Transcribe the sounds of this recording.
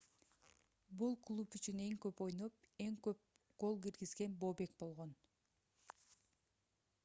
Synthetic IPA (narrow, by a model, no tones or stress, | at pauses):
bulˠklˠupyt͡ʃyne̞ŋkø̞po̞jno̞p̚ | e̞ŋkø̞p̚ | ɡ̥o̞lˠɡiɾɡizɡe̞nbo̞ːbe̞k̚bo̞lˠʁo̞n